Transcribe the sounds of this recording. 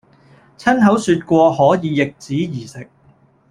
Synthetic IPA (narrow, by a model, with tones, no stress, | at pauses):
t͡sʰɐ˥nɦɐ˨˥wsyː˧t̚kʷɔː˧hɔː˨˥jiː˨˧jɪ˨k̚t͡siː˨˥jiː˨˩sɪ˨k̚